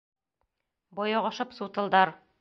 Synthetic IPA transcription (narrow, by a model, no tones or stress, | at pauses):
bɒjɑʁɑʃɤpsut̪ɤ̆lˠd̪ɑɾ